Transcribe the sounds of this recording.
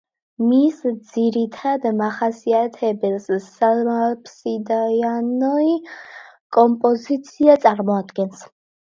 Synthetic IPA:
misd̪z̥iɾit̪ʰad̪maχasiat̪ʰɛbɛlsːalmalpʰsid̪ajanɔi | kʼɔmpʼɔzit̪sʰiat̪sʼaɾmɔad̪ɡɛns

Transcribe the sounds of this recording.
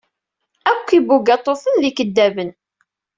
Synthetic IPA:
ækʷːibuɡæt̪ˤːoθənlikəd̪ːævən

